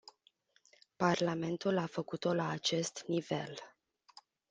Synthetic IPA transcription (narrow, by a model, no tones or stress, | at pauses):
parlame̞nt̪ulafəkut̪o̞laːt͡ʃe̞st̪nive̞l